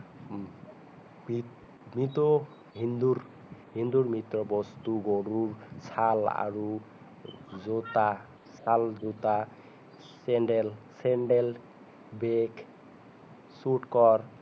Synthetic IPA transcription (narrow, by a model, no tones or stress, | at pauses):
i | mit̪ɔ | ɦind̪uɾ | ɦind̪uɾmit̪ɾɔbɔst̪uɡɔɽuɾsala̰ɾu | zot̪a | salzut̪a | sɛɳɖɛlsɛɳɖel | bek | suʈkɔɾ